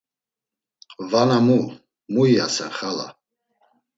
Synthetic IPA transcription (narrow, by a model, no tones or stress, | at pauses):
vanamu | muiasɛnχala̰